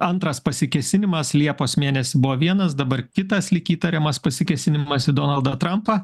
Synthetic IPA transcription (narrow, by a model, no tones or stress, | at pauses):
ɐnt̪ɾɐspɐsʲɪkʲɛsʲɪnʲɪmɐslʲiɛpoːsmʲeːnʲɛsʲɪbʊʋoːʋʲiɛnɐsd̪ɐbɐɾkʲɪt̪ɐslʲɪkʲiːt̪ɐɾʲɛmɐspɐsʲɪkʲɛsʲɪnʲɪmɐsɪd̪oːnɐlˠd̪ɐt̪ɾɐmpɐ